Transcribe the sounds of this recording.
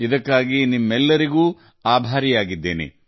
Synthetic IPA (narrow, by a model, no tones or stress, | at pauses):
id̪ɐkːaːɡinimːɛlːɐɾiɡuː | aːbʱaːɾijaːɡid̪ːeːnḛ